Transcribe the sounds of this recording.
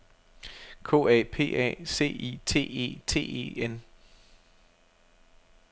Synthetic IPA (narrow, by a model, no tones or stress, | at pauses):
kʰo̝̰ːɛ̰pʰe̝̰ːʔɛ̰ːse̝̰ːḭt͡sʰe̝̰ːe̝̰ːt͡sʰe̝̰ːḛen